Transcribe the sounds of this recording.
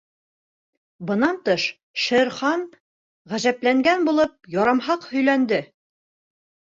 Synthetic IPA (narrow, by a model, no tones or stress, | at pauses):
bɤ̆nɑnt̪ɤʃ | ʃɘ̆ɾχɑn | ʁæʑæplæŋɡænbulˠɤp̚jɒɾɑmɦɑqhɵ̆jlænd̪ɘ